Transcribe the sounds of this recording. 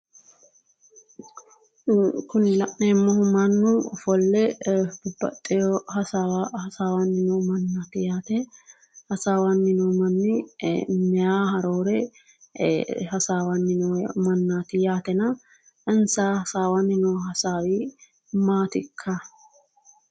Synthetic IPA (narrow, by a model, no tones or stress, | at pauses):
kʊnɪlɐʔneːmːɔhʊmɐnːʊfɔlːɛbʊbːɐ̰t̪ʼːɛjɔhɐawhɐsaːwɐnːɪnɔmɐnːaːt̪ɪjaːt̪ɛ | hɐsaːwɐnːɪnɔmɐnːɪmɛjaːɦɐɾoːɾɛ | hɐsaːwɐnːɪnɔmɐnːaːt̪ɪjaːt̪ɛnɐ | ʔɛnsaːhɐsaːwɐnːɪnɔɦɐsaːwi | maːt̪ɪkʰːa